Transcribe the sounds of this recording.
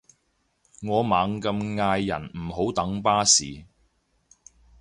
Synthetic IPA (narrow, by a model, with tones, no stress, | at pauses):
ŋɔː˨˧maː˨˧ŋkɐ˧mŋaː˧jːɐ̰˨˩nm̩˨˩ɦo˨˥wt̪ɐ˨˥ŋpaː˥sḭː˨